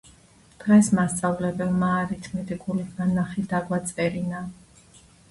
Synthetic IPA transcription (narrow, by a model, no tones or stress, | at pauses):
d̪̥ʁɛsmast̪sʼavlɛbɛlmaːɾit̪ʰmɛt̪ʼiɡʼulibmanːaχɛd̪aɡwat̪sʼɛɾina